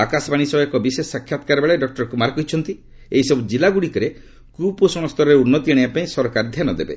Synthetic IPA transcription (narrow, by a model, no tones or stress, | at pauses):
akasɔbaɽ̃isɔbekɔbisesakʰjat̪ɔ̥kaɾɔbeɭeɖɔk̚ʈɔɾkumaɾkɔɦit͡ʃʰɔnt̪i | eɦisɔbud͡ʒilaɡuɽikɔɾe | kuposɔñɔst̪ʰɔɾɔɾeunːɔt̪iɽ̃eapaĩsɔɾkaɾɔd̪ʱjanɔd̪ebḛ